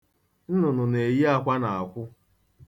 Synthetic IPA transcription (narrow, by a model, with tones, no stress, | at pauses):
n̩˦nʊ˨nʊ˨ne˨ji˦a˦kʷa˦na˨a˨kʷʊ˦